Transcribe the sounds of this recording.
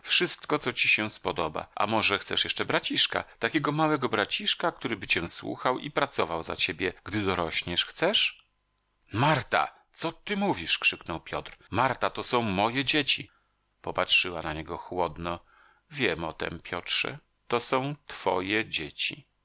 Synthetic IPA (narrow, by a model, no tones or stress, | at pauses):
fʂɘst̪kɔt̪sɔt͡ɕiɕɛ̃spɔd̪ɔba̰ʔa̰mɔʐɛxt̪sɛʂjɛʂt͡ʂɛbɾat͡ɕiʂka̰t̪akʲeɡɔmawɛɡɔbɾat͡ɕiʂkak̚t̪uɾɘbɘt͡ɕɛ̃swṵxawḭpɾat̪sɔvawza̰t͡ɕebʲjɛɡ̥d̪ɘd̪ɔɾɔɕɲɛʂxt̪sɛʂ | maɾt̪a̰ | t̪sɔt̪ɘmuvʲiʂkʂɘknɔwpʲjɔ̰t̪ɾmaɾt̪at̪ɔsɔ̃w̃mɔjɛd͡ʑet͡ɕi | pɔpatʂɘwanaɲɛɡɔxwɔd̪nɔ | vʲjɛmɔt̪ɛ̰mpʲjɔtʂɛ̰ | t̪ɔsɔ̃w̃t̪fɔ̰jɛd͡ʑet͡ɕi